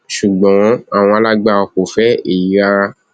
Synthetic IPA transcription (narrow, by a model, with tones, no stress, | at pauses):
ʃu˨ɡ͡bɔ̃˨˦a˦˨w̃ɔ̃˧a˧la˦ɡ͡ba˦˧ɔ˧ko˨fɛ˦e˨ji˨˦ɾa˧ɾa˧